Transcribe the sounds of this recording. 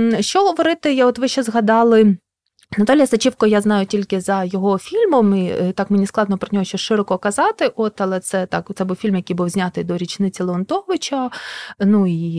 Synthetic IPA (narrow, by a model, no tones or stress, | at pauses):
ʃt͡ʃɔɦɔʋɔɾɪt̪ɪjɔt̪ʋɪʃt͡ʃːɛzɦɐd̪ɑlˠɪ | nɐt̪olʲjɐsɐt͡ʃiwkɔjaznɑjʊtʲilʲkɪzɐjɔɦɔfʲilʲmɔmit̪ɑkmenʲisklˠɑd̪nɔpɾɔnʲɔɦɔʃt͡ʃɔʃɪɾɔkɔkɐzɑt̪ɪʔɔt̪ɐlˠɛt̪sɛt̪ɑkt̪sɛbuwfʲilʲmjɐkijbuwzʲnʲat̪ɪjd̪ɔɾʲit͡ʃnɪt͡sʲɪlˠɔnt̪ɔʋɪt͡ʃɐnui